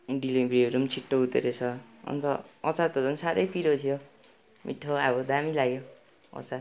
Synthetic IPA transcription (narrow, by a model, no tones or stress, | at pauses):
ɖilibɾeɾumt͡sʰiʈːout̪eɾet͡sʰʌʌ̰nt̪ʌʌ̰t͡sat̪ʌd͡zʌnsaɾʌjpʰiɾot̪ʰijo | mḭʈʰːoabʌd̪amilaɡjo | ʌ̰t͡sa